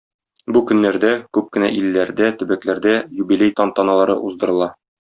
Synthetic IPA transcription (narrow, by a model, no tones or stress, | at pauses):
bukɵ̆nːæɾd̪ækʉp̚kɘ̆næʔilːæɾd̪æt̪ɵ̆bæklæɾd̪æjubilʲejt̪ɑnt̪ɒnɑlˠɑɾɤ̰ʔuzd̪ɤ̆ɾɤ̆lˠɑ